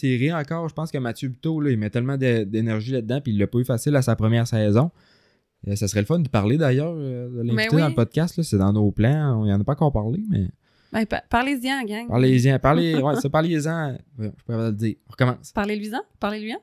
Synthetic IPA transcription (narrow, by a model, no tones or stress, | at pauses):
seʁiɑ̃kɑːʁʒəpɑ̃skəmat͡sjøby̥t̪olʌimɛt̪ɛlmɑ̃d̪ed̪enɛʁʒilad̪̚ːãpiːlːəpɔyfasɪlasapχəmjɛːʁsɛːzɔ̃ | əsasəʁɛləfɔnd̪əpaʁled̪ajœːʁəd̪əlɛ̃it̪ed̪ɑ̃ləpɔd̪̚kʲast̪lɔsɛd̪ɑ̃noplãijɑ̃nəpɑ̃kɑːʁpaʁlemɛ̰ | bɛ̃paʁlezjɛ̃ɡʲaŋpa̰ʁleezjɛ̃paʁlewɛsɔpaʁlelezãvjɔ̃ʒə̥puʁɛvad̪əld͡ziːʁɔ̃ʁəkɔmɑ̰̃ːspaʁlelɥizɛ̃paʁlelɥizɛ̃